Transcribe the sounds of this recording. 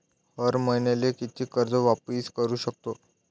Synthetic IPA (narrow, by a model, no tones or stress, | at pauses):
həɾmənelekit̪ʰiːkəɾd͡zəʋapiːskəɾuːɕək̚t̪o